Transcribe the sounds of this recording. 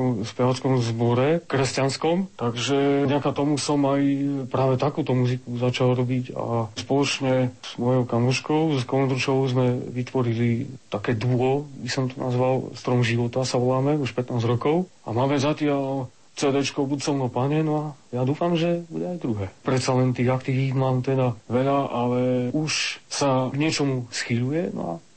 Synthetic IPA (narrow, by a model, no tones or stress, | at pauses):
ɔmspɛʋat͡skɔmzbɔɾɛkɾɛscanskɔmt̪aɡʒɛɟakat̪ɔmusɔmajpɾaːʋɛt̪akuːt̪ɔmuzikuzat͡ʃalɾɔbiɟa̰spɔlɔt͡ʃɲɛz̥mɔjɔʊkamuʃkɔʊzkɔɛnd̪ɾut͡ʃɔʊzmɛʋit̪ʋɔɾilit̪akɛːd̪ɔbisɔmt̪ɔnʔa̰zʋalst̪ɾɔmʒiʋɔt̪asaʋɔlaːmɛuʃpɛt̪naːzɾɔkɔʊ | a̰maːmɛzacɪal | t͡sɛːd̪ɛt͡ʃkɔʊbut̪sɔʊnɔpaɲɛnɔajad̪uːfamʒɛbuɟɛajd̪ɾuɦɛːpɾɛt̪salɛnt̪iːɣakt̪iʋizmaːmt̪ɛd̪aʋɛʎaalɛuʃsaɡɲɪɛt͡ʃɔmusxiʎujɛnɔ̰a̰